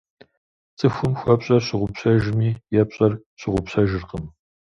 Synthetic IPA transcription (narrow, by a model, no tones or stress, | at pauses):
t͡sʼɨxʷʊmxʷɐpɕʼɐrɕɪʁʷʊpɕɐʒmiːjɛpɕʼɐr | ɕɪʁʷʊpɕɐʒɪrqəm